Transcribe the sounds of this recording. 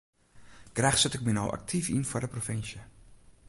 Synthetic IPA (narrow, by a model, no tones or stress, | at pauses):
ɡ̥rɛχsətək̚mɛnɔwʔa̰k̚tʰifḭnfoːrdəprofɪnsjə